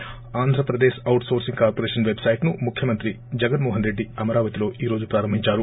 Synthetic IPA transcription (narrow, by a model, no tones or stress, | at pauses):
aːnd̪ʱɾɐpɾɐd̪eːʃɐwʈso̞ːɾsiŋɡkaːɾpoɾeːʃɐnʋebsɐjʈnumukʰjɐmɐnt̪ɾi | d͡ʒɐɡɐnmoːɦɐnɾe̞ɖːiɐmɐɾaːʋɐt̪ilo̞ːʔiːɾo̞ːd͡ʒupɾaːɾɐmbʱiɲt͡ʃaːɾu